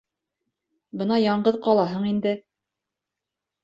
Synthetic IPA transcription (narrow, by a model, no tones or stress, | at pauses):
bɤnɑjɑɴɢɤðqɑlˠɑɦɤɴind̪ɘ